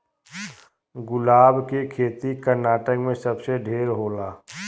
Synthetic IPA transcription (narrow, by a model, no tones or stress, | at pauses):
ɡʊlaːbkekʰeːt̪ikəɾnaːʈəkmẽsəbseɖʱeːɾɦoːlaː